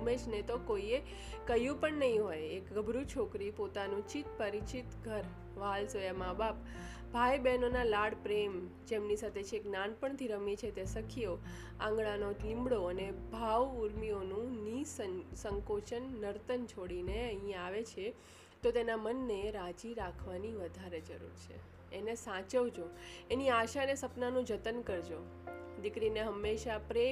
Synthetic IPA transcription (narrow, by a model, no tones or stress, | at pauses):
met͡ʃʰnet̪okoie | kəjũpəɳnəɦĩɦojekɡəbʱɾut͡ʃʰokɾipot̪anũt͡ʃit̪̚pəɾit͡ʃit̪ɡʱəɾ | ʋalsojamãbap | bʱajbɛnonalaɽpɾem | d͡ʒemnisat̪ʰet͡ʃʰeeknanpəɳt̪ʰiɾəmit͡ʃʰet̪jasəkʰijo | ã̰ŋɡɭanolĩmbɽoənebʱaʋuɾmionũnisənsəŋkot͡ʃənːəɾt̪ənt͡ʃʰoɽineəɦĩaʋet͡ʃʰe | t̪ot̪enamənːeɾad͡ʒiɾakʰʋaniʋəd̪ʱaɾed͡ʒə̰ɾṵɾt͡ʃʰḛː | nesãt͡ʃəʋd͡ʒoeniaʃanesəpnanũd͡ʒət̪ənkəɾd͡ʒo | d̪ɪkɾineɦəmːeʃapɾe